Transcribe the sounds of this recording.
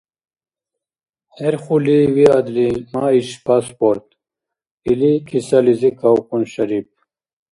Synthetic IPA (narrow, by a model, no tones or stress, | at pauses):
heɾχuliwiad̪limaiɕpaːspoːɾt̪ | ilikʰisɐlizikawkunɕɐɾip̚